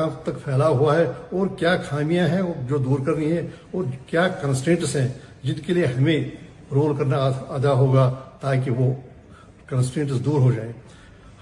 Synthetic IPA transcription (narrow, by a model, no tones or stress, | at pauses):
ãːt̪ɐkfʰɛːlaɦuaɦɛɔːɾkjaːxʰaːmijãɦɛ̃d͡ʒoːd̪uːɾkɐɾniɦɛ̃ɔːɾkjaːkɐ̃nsʈẽːʈsɦɛ̃d͡ʒɪnkelieɦɐmẽ | ɾoːlkɐɾnaɐd̪aɦoːɡat̪aːk̬iʋo | kɐ̃nsʈẽːɳʈəsd̪uːɾɦod͡ʒaːeː